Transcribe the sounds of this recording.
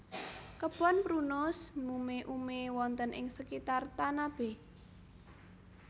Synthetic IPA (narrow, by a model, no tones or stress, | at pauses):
kəb̥ɔ̤npɾunʊsmumeʔumewɔnt̪ənʔɪ̰ŋsəkit̪art̪anab̥e